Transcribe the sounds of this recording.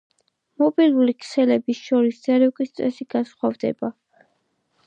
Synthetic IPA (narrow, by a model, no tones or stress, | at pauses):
mɔbilˠuɾikʰsɛlɛbisʃɔɾisz̥aɾɛkʼist̪sʼɛsiɡasχwavd̪ɛ̰ba